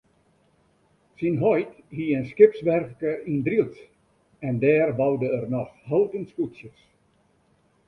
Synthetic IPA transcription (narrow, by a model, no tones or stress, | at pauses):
sinɦɔjthiənskɪpsʋɛrkkərindrilˠt | ɛndɛːrbɑwdəərnɔxholˠtənskutsjəs